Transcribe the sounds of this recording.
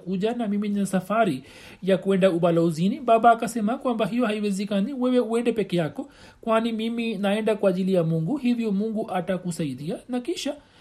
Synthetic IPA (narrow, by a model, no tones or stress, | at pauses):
kuʄanamiminasafaɾi | jakuɛndauɓalauziniɓaɓaːkasɛmakwambaɦijɔhaiwɛzɛkaniwɛwɛuɛndɛpɛkɛjakɔ | kwanimiminaɛndakwaːʄilijamuŋɡuhivjɔmuŋɡuʔatakusaiɗianakiʃa